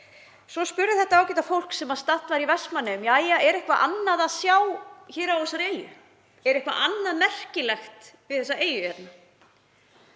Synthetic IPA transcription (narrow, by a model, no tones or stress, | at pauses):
sɔspʏɾðɪθɛht̪aaːwcɛt̪afowl̥ksɛmaðst̪at̪vaɾivɛsmanːɪmjaːjaɛɾɛhkvaʔa̰nːaðaðsjaːwçɛːɾawθɛsːaɾeːjʏ̰ | ɛɾɛhkva̰ʔanːaðmɛr̥cɪlɛxt̪vɪθɛsːaʔeːjʏɛɾna